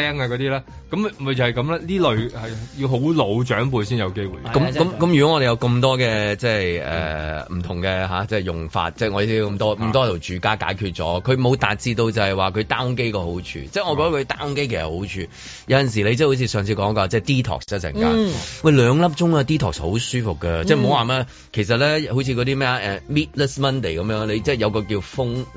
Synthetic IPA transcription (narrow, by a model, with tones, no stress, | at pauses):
ɛː˥ŋaː˧kɔː˨˧˥t̪iː˥laː˥kɐ˦˥mmɐ˨˩t͡shɐ˨jkɐ˨˥mlaː˥liː˥lɵ˨ɥhɐ˨jji˧wɦo˨˥wlo˨˧wt͡ʃœː˨˥ŋp̬uː˨˧jsiː˥njɐ˨˧wke˥jwṵ˨˩kɐ˨˥mkɐ˧˥mkmjy˨˩kɔ˨˦˥ŋɔ˧ɾe˨jɐ˧wkɐ˧mt̪ɔː˥kɛː˧t͡sɛː˥˩ɛ̰ː˨m̩˨˩t̪ʰʊ˨˩ŋkɛ˧ɦaː˨˧˥t͡sɛː˥jʊ˨˩ŋfa̰ː˧t̚t͡sɛ˥˩ŋɔ˨˧ji˨si˥˨˧kɐ˧mt̪ɔː˥˨˩t̪ɔː˥˩t̪o˨˩wt͡ʃyː˨˥kaː˥ka̰ː˨˥jkʰyː˧t̚t͡sɔ̰ː˨˥kʰɵ˨˧ɥmo˨˧wt̪aː˨k̚t͡siː˧t̪o˧wt͡sɐ˨˩hɐ˨˩jwaː˨kʰɵ˨˧ɥt̪aː˥ŋk̬e˥jkɔː˧ɦo˨˥wt͡ʃʰy̰ː˧t͡sɛ˥˩ŋɔ˨˧kɔ˧t̪ɐ˥kʰɵ˨˧t̪aː˥˦ŋke˥jkʰe˨˩sɐ˨˩ho˨˥wt͡ʃʰyː˧ | jɐ˨˧wjɐ˨ns̬iː˨˩le˨˧jt͡sɛ˥ho˨˥wt͡sʰiː˧sœː˨ŋt͡sʰiː˧kɔː˨˥ŋ˥kɔː˧t͡sɛː˥˩t̪iː˥t̪ʰɔ̰ː˨˩ksɛː˥sɛ̰˨˩ŋkkaː˨˥wɐ˥˩jlœː˨˧ŋlɐ˥p̚t͡ʃʊ˥ŋaː˧t̪iː˥t̪ʰɔ̰ː˨k̚sho˨˥wsyː˥fʊ˨kːɐ˧t͡sɛ˥˩m̩˨o˨˧waː˨mɛː˧ | kʰe˨˩js̬ɐ˨t̚lɛː˥ho˨˧˥t͡sʰi˧kɔ˨˧t̪iː˥mɛː˥a˧˩ʔɛ˨miː˥t̚lɛ˥smɐ˥nt̪e˨˩jkɐ˨˦mjœː˨˥ŋle˨˧jt͡sɛː˥˩jɐ˧wkɔː˧k̬iː˧wfʊ˥ŋ